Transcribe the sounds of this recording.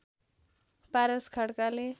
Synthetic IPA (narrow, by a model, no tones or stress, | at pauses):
paɾəskʰəɽkale